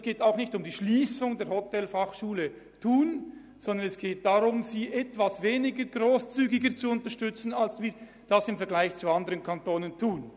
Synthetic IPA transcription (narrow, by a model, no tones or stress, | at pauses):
sɡ̥eːtaʊxnɪçtʊmdiːʃliːsʊŋdeːɐɾhɔtɛlfaχʃuːlə | tʰuːn | z̥ɔndənɛsɡ̥eːt̚d̥aʁʊmziːʔɛtv̥asveːnɪɡəɡʁoːst͡syːɡɪɡət͡suʊntəʃtʏt͡sn̩alsviːɐ | d̥asɪmfɛɐɡ̥laɪçt͡suandəʁənkʰantoːnəntʰuːn